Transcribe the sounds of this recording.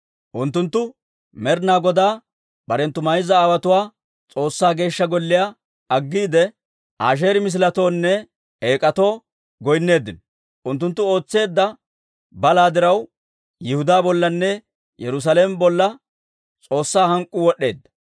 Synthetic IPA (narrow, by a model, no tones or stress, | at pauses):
ʔʊnt̪ːʊnt̪ːʊ | mɛɾnaːɡɔd̪aː | b̥ɐɾɛnt̪ːʊmɐjzɐaːwɐt̪ʊwaː | t͡sʼo̞ːsːaːɡe̞ːʃːɐɡɔlːɪjaː | ɐɡːiːd̪ɛ | ʔaːʃ̬e̞ːɾɪmɪs̬ɪlɐt̪o̞ːnːɛ | eːkʼɐt̪o̞ː | ɡɔjnːe̞ːd̪ːɪnɔ | ʔʊnt̪ːʊnt̪ːʊo̞ːt͡sːe̞ːd̪ːɐ | bɐlaːd̪ɪɾɐw | jɪhʊd̪aːbɔlːɐnːɛ | jɛɾʊs̬aleːmbɔlːɐ | t͡sʼo̞ːsːaːhɐŋkʼːʊwɔɗːe̞ːd̪ːɐ̥